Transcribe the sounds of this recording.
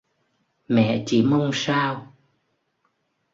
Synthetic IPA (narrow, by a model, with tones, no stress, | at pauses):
mɛ̰˧˨t͡ɕi˧˩mə˧wŋ͡msaː˧w